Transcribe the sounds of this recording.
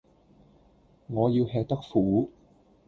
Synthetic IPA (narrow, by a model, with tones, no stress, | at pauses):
ŋɔː˨˧jiː˧whɛː˧k̚t̪ɐ˥k̚fuː˨˥